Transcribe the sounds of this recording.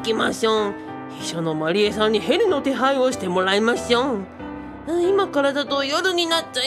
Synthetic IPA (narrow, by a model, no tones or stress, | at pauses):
kʲimaɕõ | hiɕonomaɾʲiesãɲ̟ːihe̞ɾɯ̟no̞t̪e̞ɦaioɕi̥t̪e̞mo̞ɾaimaɕio | ɯ̃imakaɾad̪at̪ojoɾɯ̟ɲ̟inat͡ɕːa